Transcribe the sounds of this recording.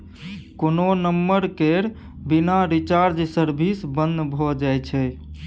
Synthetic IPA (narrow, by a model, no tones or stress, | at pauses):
kononəmːəɾkeɾ | binaɾit͡ʃaɾd͡ʒsəɾbʱisbənd̪bʱɔd͡ʒajt͡ʃʰɛ